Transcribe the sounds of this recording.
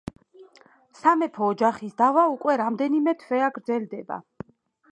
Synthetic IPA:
samɛpʰɔːd͡ʒaχisd̪avaukʼwɛɾamd̪ɛnimɛt̪ʰvɛaɡɾd̪zɛld̪ɛba̰

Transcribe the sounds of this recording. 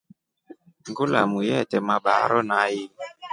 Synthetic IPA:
ŋɡulamujɛtɛmaɓaɾɔnaji

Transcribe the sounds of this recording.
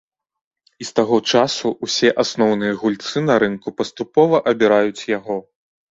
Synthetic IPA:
ist̪aɣɔt͡ʂasuusʲɛʔasnɔwn̪ɨjɐɣulʲt̪sɨnɐɾɨnkupɐst̪upɔvɐʔɐbʲiɾajut͡sʲjaɣɔ

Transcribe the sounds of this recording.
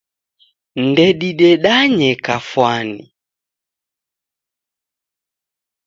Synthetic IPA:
ndɛɗiɗɛɗaɲɛkafwani

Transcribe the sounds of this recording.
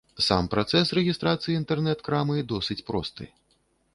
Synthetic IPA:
sa̰mpɾat̪sɛsrɛɣʲist̪ɾat̪sɨjiint̪ɛrnɛt̪kɾamɨd̪ɔsɨt͡sʲpɾɔst̪ɨ̰

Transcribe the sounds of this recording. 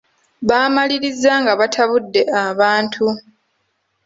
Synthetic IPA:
βaːmaliɾizːaŋɡaβatʰaβudːe̞aβaːntʰu

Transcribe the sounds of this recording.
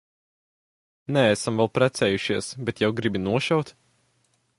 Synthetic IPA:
nɛæsamvɛlˠpɾæt̪sɛːjuʃiɛsbɛt̪jawɡɾibinuɔʃawt̪

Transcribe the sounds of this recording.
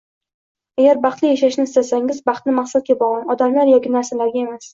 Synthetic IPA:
aɡʲaɾbɑχt̪lɪjaʃaʃnɪst̪asaŋɪzbɑχt̪nɪmaχsat̪̚ɡʲabɒʁanɒd̪amlaɾjɒkʲɪnaɾsalaɾɡʲae̞mas

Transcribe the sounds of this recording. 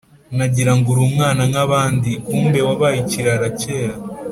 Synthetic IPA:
naɟiɾaŋɡuɾuːmŋaːnaŋaβaːndiuːmbe̞waβajiciɾaɾace̞ːɾa

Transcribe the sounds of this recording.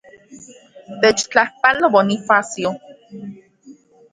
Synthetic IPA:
t̪et͡ʃt͡ɬahpalobonifasjo

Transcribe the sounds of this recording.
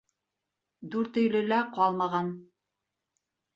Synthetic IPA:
d̪uɾt̪ɵ̆jlɵ̆læqɑlˠmɑʁɑn

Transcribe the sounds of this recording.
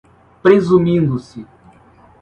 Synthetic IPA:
pɾezumĩnd̪ʊsɪ

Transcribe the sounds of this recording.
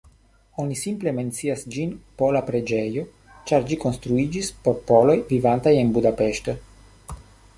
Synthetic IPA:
o̞nisimple̞me̞nt͡siasd͡ʒinpo̞lapɾe̞d͡ʒejo̞ | t͡ʃaɾd͡ʒiko̞nst̪ɾuid͡ʒispo̞ɾpo̞lo̞jvivantaje̞nbudape̞ʃto̞

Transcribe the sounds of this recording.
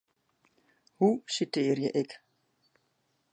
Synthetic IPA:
husit̪eːɾjɛʔɛk

